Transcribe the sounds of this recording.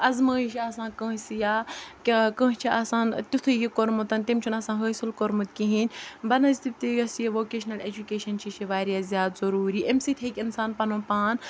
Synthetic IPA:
ɐzmɐːiʃiaːsãːkə̃ːsijaːkkə̃ːɦt͡ʃʰiʔaːsaːnt̪ʲut̪ʰɨjikoɾmut̪ɐnʲt̪imʲt͡ʃʰunɐsãːɦəːsilkoɾmut̪̚kiɦĩnʲbɐnɐzt̪ib̚ʲt̪iɡɐsijiʋoːkeːʃɐnɐled͡ʒukeːʃɐnt͡ʃʰiʃʰiʋaːɾjaːzʲjaːt̪zɐɾuːɾiːʔemsit̪ʲʰekʲinsaːnpɐnoːpaːn

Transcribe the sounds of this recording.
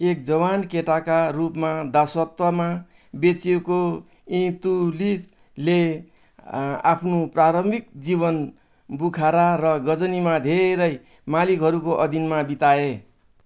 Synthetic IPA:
ek̚d͡zʌβankeʈakarupmad̪asʌt̪wʌma | bet͡seko | ĩt̪ulis | le | a̰pʰnopraɾʌmbʱikd͡ziβʌn | bukʰaɾarʌɡʌd͡zʌnimad̪ʱeɾʌj | malikɦʌɾukoʔʌd̪ʱinmabit̪ae

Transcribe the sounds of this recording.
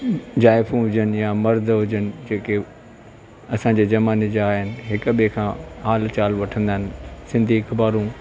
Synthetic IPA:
d͡ʑaːɪfũɦʊd͡ʑənɪ̆jamɐɾd̪ʱɦʊd͡ʑənɪ̆d͡ʑeːke | ɐsãːɲd͡ʑeːd͡ʑɐmaːned͡ʑaaːɦɪnɪ̆ɦɪkɓikʰãːaːlt͡ɕaːlʋɐʈʰə̃nd̪aːɦɪnɪsɪ̃nd̪ʱiɪkbaːɾũ

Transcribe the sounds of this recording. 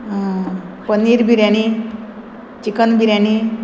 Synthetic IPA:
pəniɾbʱiɾjañi | t͡ɕikənbʱiɾjani

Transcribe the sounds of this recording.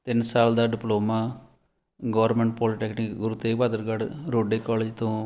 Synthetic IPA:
t̪ɪnsaːld̪aːɖɪploːmaː | ɡɔːɾmẽːɳʈ̚pɔːlɪʈɛːknikɡʊɾuːt̪eːʋaːd̪əɾɡəɽɾoːɖeːkɔːleːd͡ʒt̪õː

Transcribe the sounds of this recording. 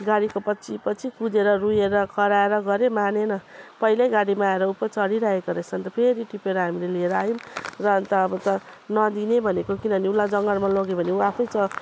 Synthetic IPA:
ɡaɽikopʌt͡sʰipʌt͡sʰikud͡zeɾʌrujeɾʌkʰʌɾaeɾʌɡʌɾemanenʌpʌilejɡaɽimaːeɾʌupːʌt͡sʌɽiɾaɦekoɾet͡sʰʌnt̪ʌpʰeɾiʈipeɾʌɦamilelieɾʌaɦjumrʌnt̪ʌːbʌt̪ʌ | nʌd̪inebʱʌnekokinʌʌniulːad͡zʌŋɡʌlmaloɡebʱʌneuapʰnʌjt͡sʌ

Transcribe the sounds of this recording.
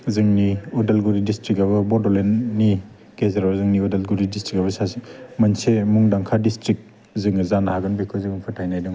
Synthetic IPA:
zɯŋniɔdelɡuɾidistɾikaβɐbɔdolenːi | ɡ̥ezaɾazɯŋniɔdelɡuɾidistɾikabɐsasimansemuŋdaŋkʰadistɾik̚ | zɯŋzanhaɡɯnbikʰɯzɯŋpʰɯtʰajnajdɯŋ

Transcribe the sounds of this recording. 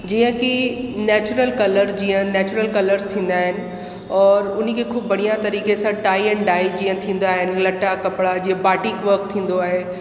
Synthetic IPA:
d͡ʑĩːə̃kinɛːt͡ɕʊɾəlkɐləɾzd͡ʑĩːə̃nɛːt͡ɕʊɾəlkɐləɾz̥t̪ʰĩːn̆d̪aːɦɪnɪ̆ | ɔːɾʊn̤kʰeːkʰʊːbbʱɐɽ̤ijat̪ɐɾiːkesãʈaːiɛ̃ːnɖaːid͡ʑĩːə̃t̪ʰĩːn̆d̪aːɦɪnɪ̆lɐʈakɐpɽad͡ʑiːə̃baːʈiːkʋəɾkt̪ʰĩːn̆d̪oaːɦe

